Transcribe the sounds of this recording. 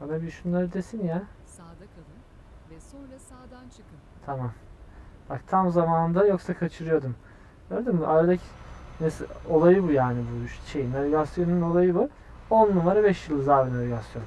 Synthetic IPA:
anabiʃunlˠaɾɯd̪e̞sinja | t̪ʰamamb̥akt̪ʰamzamand̪ajo̞ksakʰat͡ʃʰɯɾɯjo̞d̪um | ɟøːɾd̪im̰ʔaɾad̪acʰi̥neso̞lˠajɯbujaːnibuʃʃejinaveɡasjo̞nuno̞lˠajɯbu | onnːumaɾabɛʃjɯlˠːɯzaːbinavʲeɡasjo̞n

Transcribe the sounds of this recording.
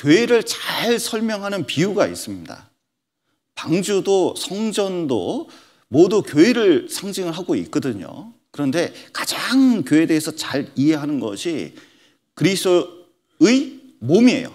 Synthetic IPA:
kjoeɾɯɭt͡ɕaɭsʰʌɭmjʌŋɦanɯnpiuɡaḭs͈ɯmɲida̰ | paŋd͡ʑudosʰʌŋd͡ʑʌndo̰ | modukjoeɾɯɭsʰaŋd͡ʑiŋɯɭɦaɡoḭk̚k͈ʌdɯɲo̰ | kɯɾʌnde̞kad͡ʑaŋkjoe̞de̞esʰʌt͡ɕaɾiɦe̞ɦanɯnɡʌ̰ɕʰi | kɯɾisʰo | ɯi | momie̞̰jo̰

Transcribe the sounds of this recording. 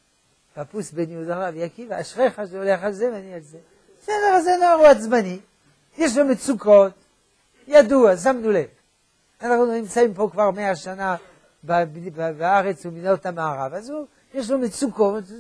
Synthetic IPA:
papusbeniud̪aʁavjakivaaʃʁeχaʃeoleχalzemanialze | sedeʁazenoaʁuat͡smani | jeʃ̬lomet͡sukot | jad̪uas̬amnulev | anaχnunimt͡saimpo̞kvaʁmeaʃana | babbbaaʁet͡suminot̪amaːʁavazu | jeʃ̬lomet͡sukot̪

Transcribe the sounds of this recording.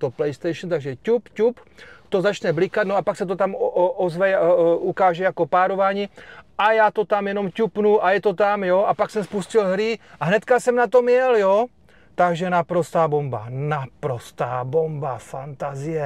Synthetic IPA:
t̪oplɛjst̪ɛjʃn̩t̪aɡʒɛcupcupt̪o̞zat͡ʃnɛblikat̪noapaksɛt̪̬ot̪amʔozvɛjukaːʒɛjakopaːɾo̞vaːɲiʔajaːt̪o̞t̪amjɛno̞mcupnuʔajɛt̪o̞t̪amjoʔapaksɛmspuscɪlɦɾɪʔaɦnɛt̪kasɛmnat̪o̞mjɛljo | t̪aɡʒɛnapɾo̞st̪aːbo̞mba̰napɾo̞st̪aːbombafant̪azɪjɛ

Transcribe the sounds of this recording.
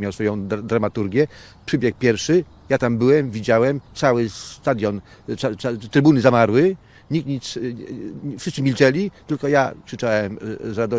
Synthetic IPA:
mʲjawsfɔjɔ̃w̪̃d̪ɾamat̪uɾɡʲjɛ | pʂɘbʲjɛk̚pʲjɛɾfʂɘ | jat̪ambɘwɛmvʲid͡ʑawɛmt̪sawɘst̪ad̪ʲjɔn | aat̪ɾɘbunɘzamaɾwɘ | ɲikɲit̪s | fʂɘst̪sɘmʲilt͡ʂɛlʲit̪ɘlkɔja̰kʂɘt͡ʂawɛmzɾad̪ɔ

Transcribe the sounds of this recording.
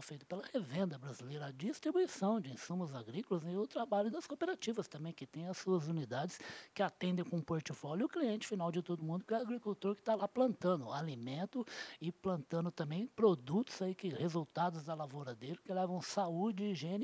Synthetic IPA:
fejt̪ʊ̥pelɐhevẽnd̪ɐbɾazilejɾɐːd͡ʒist̪ɾibuisɐ̃w̃d͡ʒɪĩsũmʊzaɡɾikʊlɐzɪʊt̪ɾabaʎʊd̪ɐskopeɾat͡ʃivɐst̪ɐ̃mbẽj̃kɪt̪ẽj̃ɐsuɐzunid̪ad͡ʒɪskɪat̪ẽnd̪ẽj̃kõũpoɾt͡ʃifɔljʊʊkliẽnt͡ʃɪ̥finawd͡ʒɪt̪od̪ʊmũnd̪ʊkɪɛaɡɾikuwt̪oɾkɪ̥t̪alaplɐ̃nt̪ɐ̃nd̪ʊalimẽnt̪ʊɪplɐ̃nt̪ɐ̃nd̪ʊt̪ɐ̃mbẽj̃pɾod̪ut̪ʊ̥z̥aikɪhezuwt̪ad̪ʊzd̪ɐlavoɾɐd̪elɪkɪlɛvɐ̃w̃saud͡ʒɪɪʒẽn

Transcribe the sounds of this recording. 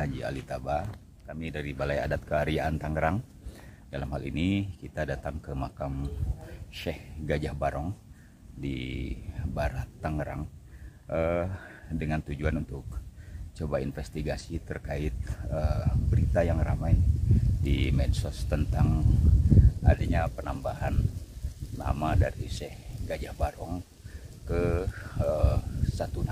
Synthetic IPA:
ad͡ʒia̰lit̪aba | kamidaɾibalaja̰dat̪̚kəaɾiaʔant̪aŋəɾaŋ | dalamhalḭnikit̪adat̪aŋkəmakam | ʃɛhɡad͡ʒahbaɾɔŋ | dḭ | baɾat̪ːaŋəɾa̰ŋʔə | dəŋant̪ud͡ʒuanunt̪ʊk̚t͡ʃobainfɛst̪iɡasit̪ərkaɪt̪̚əbəɾit̪ajaŋra̰majdimɛdsɔst̪ənt̪aŋ | a̰daɲapənambaɦanː | a̰madaɾiʃɛhɡad͡ʒahbaɾɔŋ | kəəsat̪una

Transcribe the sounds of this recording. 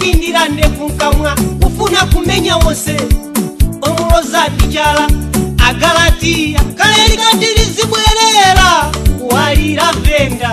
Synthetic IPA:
indiɾandɛkuŋ̩kamwakufunakumɛɲawɔsɛ | ɔɾɔlɔzaɗit͡ʃalaaɡalatijakalɛɾikandiɾiziɓwɛɾɛɾakuwaliɾaɱvɛːnda

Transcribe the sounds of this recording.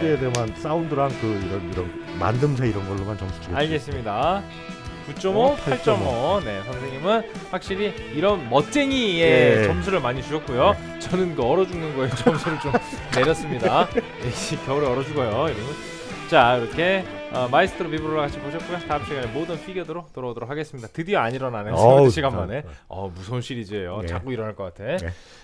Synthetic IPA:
teedemans͈aundɯɾaŋkɯiɾʌniɾʌn | ma̰ndɯmsʰaiɾʌnɡʌɭːomant͡ɕʌmsʰu̥t͡ɕʰiɡeaaɭɡe̞s͈ɯmɲida | kut͡ɕ͈ʌmopʰaɭt͡ɕ͈ʌmʌne̞sʰʌŋsʰeŋɲimɯnɸwak̚ɕ͈iɾiː | ɾʌnmʌt̚t͡ɕ͈eɲie̞t͡ɕʌmsʰuɾɯɭmaɲit͡ɕuɕʰʌtk̚k͈ujo | t͡ɕʌnɯnkɯʌɾʌd͡ʑuŋnɯnɡʌet͡ɕʌmsʰuɾɯɭt͡ɕomne̞ɾjʌs͈ɯmɲɲida | eɕikjʌuɾeʌɾʌd͡ʑuɡʌjoiɾiɡɯ | t͡ɕaiɾʌkʰe̞ | ʌmais͈ʰɯ̥tʰɯɾopibuɾoɭakat͡ɕʰibʰoɕʰʌt̚k͈ujotap̚ɕ͈ʰiɡaɲemodɯnpʰiɡjodɯɾotoɾʌdoɾokʰaɡe̞s͈ɯmɲidatɯdiʌaɲiɾʌnaneɕʰiɡanmane̞ʌ̰musʰonɕʰiɾid͡ʑejot͡ɕaɡ͈uiɾʌnɦaɭk͈ʌk͈atʰe̞

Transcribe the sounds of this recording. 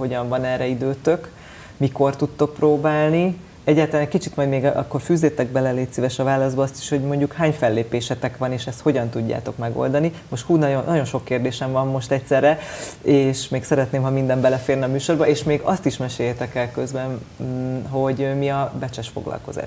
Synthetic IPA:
ɦo̞ɟɒɱvɒnɛrːɛid̪øːt̪øk | miko̞rt̪ut̪ːo̞k̚proːbaːlni | ɛɟːaːlt̪ɒlanɛckit͡ʃit̪mɒjd̪meːɡɒ̰kːo̞rfyːzeːt̪ɛɡ̚bɛlɛleːt̪sivɛʃɒvaːlːɒzd̪bɒɒst̪i̥ʃho̞ɟmo̞ɲɟukhaːɲfɛlːeːpeːʃɛt̪ɛkʋɒneːʃɛst̪ho̞ɟɒnt̪uɟːa̰ːt̪o̞kmɛɡo̰ld̪ɒnimo̞ʃt̪huːnɒjonːɒɟo̞nʃo̞kːeːrd̪eːʃɛmvɒmːo̞ʃt̪ɛcsɛrːɛeːʃmeːksɛɾɛt̪neːmɦɒmind̪ɛmbɛlɛfeːrnɒmyːʃo̞rbɒeːʃmeːɡɒst̪iʃmɛʃeːjːɛt̪ɛkɛlkø̞zbɛn | ɦo̞ɟømiɒbɛt͡ʃɛʃfo̰ɡlɒ̰lko̞̰za̰ːʃ

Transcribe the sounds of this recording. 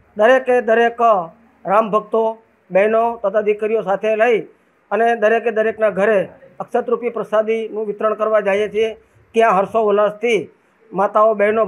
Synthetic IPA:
d̪əɾeked̪əɾek | ɾambʱəɡ̚t̪o | bɛnot̪ət̪ʰad̪ɪkɾijosat̪ʰeləi | əned̪əɾeked̪əɾeknaɡʱəɾeəkʃət̪ɾupipɾəsad̪inũʋɪt̪ɾəɳkəɾʋad͡ʒajẽt͡ʃʰie | kjãɦəɾsoʋələst̪ʰi | mat̪aobɛɦno

